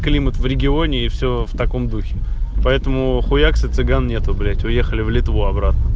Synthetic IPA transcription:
klʲimət̪vɾʲɪɡʲɪonʲɪːfsʲɵft̪ɐko̞md̪uxʲɪpɐɛt̪əmʊxʊjaksɨt̪sɨɡannʲet̪ʊblʲætʲʊjexəlʲɪvlʲɪt̪vuɐbɾat̪̚nə

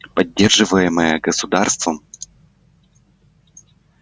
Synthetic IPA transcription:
pɐdʲːe̞rʐɨvəjɪməjəɡəsʊd̪arst̪vəm

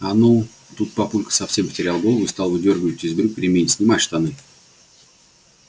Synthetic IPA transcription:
anu | t̪ut̪̚pɐpulʲkə̥sɐfsʲempə̥tʲɪɾʲalˠɡo̞lˠəvʊɨst̪alˠvɨdʲerɡvɪt̪ʲːɪiːzʲbʲɪɾuk̚ʲpɾʲɪmʲejʲɪtʲsʲnʲɪmatʲʂt̪anɨ

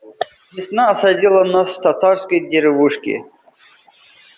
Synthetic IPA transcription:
vʲɪsnaːsɐdʲilˠənasft̪at̪aɾskəjd̪ʲeɾɪvuʂkʲɪ̰

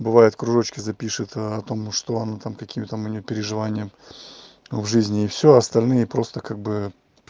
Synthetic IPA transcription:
bɨvajɪt̪kɾʊʐo̞t͡ɕkʲɪzɐpʲiʂɨt̪ɐt̪o̞mʂt̪oɐnat̪amkɐkʲimɪt̪amʊnʲɪjopʲɪɾʲɪʐɨvanʲɪjəm | vʐɨzʲnʲɪːfsʲoɐst̪ɐlʲnɨjəpɾo̞st̪əkaɡ̚bɨ

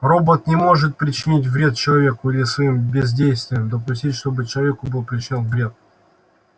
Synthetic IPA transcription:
ro̞bət̪nʲɪmo̞ʐɨt̪̚pɾʲɪt͡ɕɪnʲit̬ʲvɾʲe̞t̪̚t͡ɕɪlˠɐvʲe̞kʊilʲɪsvɐimbʲɪzʲdʲejst̪vʲɪjəmd̪əp̬ʊsʲtʲitʲʂt̪o̞bɨt͡ɕɪlˠɐvʲekʊbɨlˠpɾʲɪt͡ɕɪnʲonvɾʲe̞t̪̚

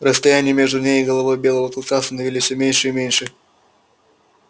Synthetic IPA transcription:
rəst̪ɐjænʲɪjəmʲe̞ʐd̪ʊnʲejɪɡəlˠɐvo̞jbʲe̞lˠəvəkɐlˠkast̪ənəvʲilʲisʲəmʲenʲʂɨimʲenʲʂɨ

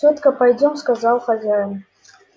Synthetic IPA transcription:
ot̪kəpajdʲomskazɑlˠχazʲajən

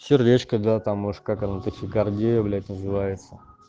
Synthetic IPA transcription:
fsʲɪrɾʲet͡ɕkəd̪at̪amːoʂkakɐnat̪əsʲɪkɐrdʲejəvlʲæt̚ʲnəzɨvajɪt̪sə

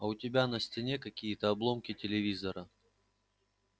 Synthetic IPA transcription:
ɐʊtʲɪbʲanəsʲtʲɪnʲekɐkʲijət̪əɐblˠo̞mkʲɪtʲɪlʲɪvʲizəɾə

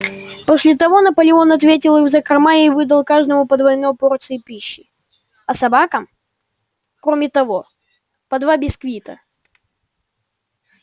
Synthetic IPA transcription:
posʲlʲɪt̪ɐvo̞nəpəlʲɪo̞nɐt̪vʲet̬ʲɪlˠɨzəkɾɐmajɪvɨd̪əlˠkaʐd̪əmʊpəd̪vɐɪnːo̞jpo̞rt̪sɨɪpʲiɕːɪ | ɐsɐbakəm | kɾomʲɪt̪ɐvo̞ | pɐd̪vabʲɪskvʲit̪ə

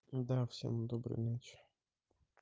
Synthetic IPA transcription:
d̪afsʲḛmd̪obɾɨ̰nʲat͡ɕɪ̥

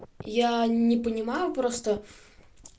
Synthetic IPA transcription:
janʲɪpənʲɪmajʊpɾost̪ə

